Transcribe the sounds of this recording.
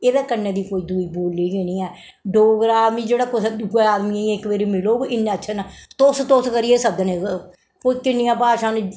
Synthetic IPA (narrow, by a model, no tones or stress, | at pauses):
eːʋɛːkənːẽːd̪iːkoːiːd̪uːiːboːlːiːɡeːnĩːɛː | ɖoːɡɾaːd̪miːd͡ʒeːɽaːkosd̪ɡeaːd̪miiɪkʋeːɾiːmɪloːɡɪnːeːətːʃʰaːnat̪ost̪oːskəɾiːeːsəbd̪əne | koːiːkɪnːɪjãːpaːʃãːne